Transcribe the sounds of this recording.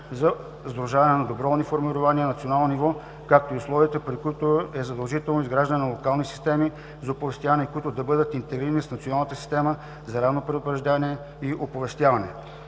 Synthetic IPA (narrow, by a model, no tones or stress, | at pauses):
zɐ | zd̪ɾʊʒavɐnɛnɐd̪obɾɔnʲifoɾmiɾʊvaniənɐt̪sionalˠnonivɔ | kak̚t̪oiʊslˠɔvit̪əpɾikʊit̪oɛzɐd̪ɐlˠʒit̪ɛlˠnoizɡɾaʒd̪ənɛnɐlˠokalˠnisi̥st̪ɛmi | zɐopovɛst̪javɐnɛkʊit̪ʊd̪ɐbɤd̪ət̪int̪ɛɡɾiɾənisnɐt̪sionalˠnət̪əsi̥st̪ɛmə | zɐɾavnopɾɛd̪ʊpɾɐʒd̪aniɛ | iʔopovɛst̪ʲjavɐnɛ̰